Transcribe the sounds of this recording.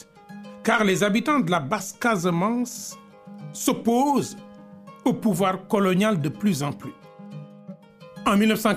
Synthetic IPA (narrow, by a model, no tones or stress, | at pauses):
kaʁlezabit̪ɑ̃d̪əlabaskazəmɑ̃sː | opoz | opuvwaʁkɔlɔnjald̪əplyzɑ̃ply | ɑ̃milnəfsɑ̃